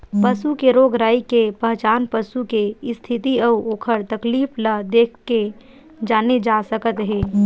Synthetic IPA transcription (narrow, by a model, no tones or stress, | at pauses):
pəsukeɾoːɡɾaːikepəɦt͡ʃaːnpəsukeɪst̪ʰɪt̪iɐuoːkʰəɾt̪ɐkliːpʰləd̪eːkʰke | d͡ʒaːned͡ʒaːsəkət̪ɦeː